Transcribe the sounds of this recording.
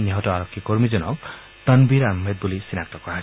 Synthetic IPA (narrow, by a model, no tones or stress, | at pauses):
niɦɔtɔaɾɔkʰːjekoɾmid͡zɔnɔk | t̪ʌnbiɾamːed̪̚bulisinak̚t̪ɔkɔa